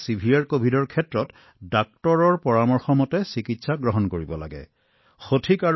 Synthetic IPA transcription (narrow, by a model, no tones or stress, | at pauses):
sibʱijaɹkobʱidɔɹkʰɛtɹɔt | dak̚tɔɹɔɹpɔɹamɔɹxɔmɔtɛsikitsaɡɹɔɦɔnkoɹibɔla̰ɡɛ̰ | xotʰika